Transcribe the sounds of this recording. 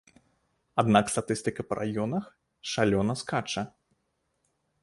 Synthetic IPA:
ad̪nakst̪at̪ɨst̪ɨkɐpɐɾʔa̰jɔnɐx | ʂalʲɔnɐskat͡ʂɐ

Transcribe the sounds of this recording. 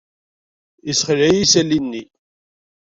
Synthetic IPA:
isχəlæjisælːinːi

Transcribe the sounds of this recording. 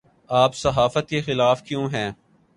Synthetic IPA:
aːpsɐɦaːfət̪kexɪlaːfkjõːɦɛ̃ː

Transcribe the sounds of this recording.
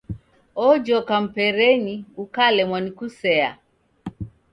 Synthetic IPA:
ɔd͡ʒɔkam̩pɛɾɛniukalɛmwanikusɛa̰

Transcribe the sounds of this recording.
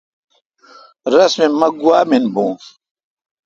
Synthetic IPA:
ɾɐsmemɐɡuaːminbũː

